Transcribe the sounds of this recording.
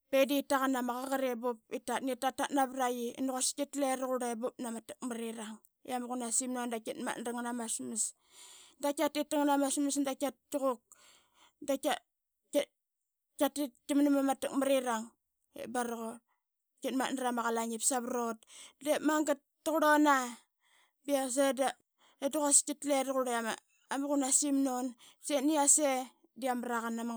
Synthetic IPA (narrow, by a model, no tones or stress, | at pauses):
peditaɣanamaɣaɣaɾebup̚itatnitatatnaβɾajḭnuɣoskitleɾaɣuɾabup̚namatu̥k̚maɾiɾaŋ | jamɣunasimnondakitma̰tnɾaŋnamasmis | dakʲatitaŋnamasmisndakʲat̚t͡ʃuɣuk̚ | daka | katitkimnimamatakmaɾiɾaŋ | ḛbaɾɣo | kitma̰naɾamaɣalaŋipsaβɾot̚demaŋɡatːuɣuɾona | bias̬eda | daduɣoskitledɣuɾama̰ | amuɣunasimnon | seniase | diamɾaɣanːama